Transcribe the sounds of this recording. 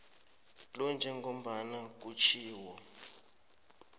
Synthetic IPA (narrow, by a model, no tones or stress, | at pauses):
lɔnd͡ʒʱɛŋɡom̩ɓanak̬ut͡ʃʰiːwɔ